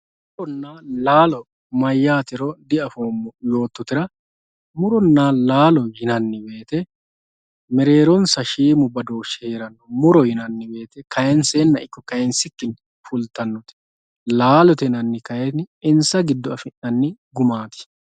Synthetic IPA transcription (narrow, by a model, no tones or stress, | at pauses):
mʊɾɔnːaːlaːlɔ | mɐjːaːt̪ɪɾɔd̪ɪɐfoːmːɔjo̞ːt̪ːɔt̪ɪɾɐ | mʊɾɔnːaːlaːlɔjɪnɐnːɪbe̞ːt̪ɛ | mɛɾe̞ːɾɔnsɐʃiːmʊbɐd̪oːʃːɛ̥heːɾɐnːɔmʊɾɔjɪnɐnːɪbe̞ːt̪ɛkɐjɛnseːnːɐɪkːɔkɐjɛnsɪkːɪn | fʊlt̪ɐnːɔt̪ɛ̥ | laːlɔt̪ɛnɐnːɪkɐjɛt̪nɪɪnsɐɡɪd̪ːɔɐfɪnːɐnːɪɡʊmaːt̪ɪ̥